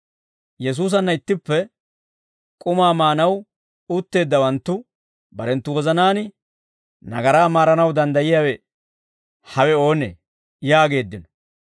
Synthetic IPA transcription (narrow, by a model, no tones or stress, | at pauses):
jɛs̬uːs̬ɐnːɐɪt̪ːɪpːɛ | kʼʊmaːmaːnɐw | ʊt̪ːe̞ːd̪ːɐwɐnt̪ːʊ | bɐɾɛnt̪ːʊwɔzɐnaːnɪ | nɐ̰ɡɐɾaːmaːɾɐnɐwd̪ɐnd̪ɐjɪjaːwɛ | hɐwɛo̞ːnḛː | jaːɡe̞ːd̪ːɪnɔ̥